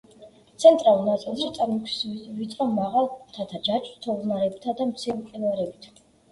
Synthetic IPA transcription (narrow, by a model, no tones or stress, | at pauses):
t̪sʰɛnt̪ʼɾalunat̪sʼɛlˠzit̪sʼaɾmikʰsvit̪ʼɾɔmmaʁalˠt̪ʰat̪ʰad͡ʒat͡ʃʰʼt̪ʰɔvmaɾɛbt̪ʰad̪amt̪sʰiɛmqʼɛlaɾɛbit̪ʰ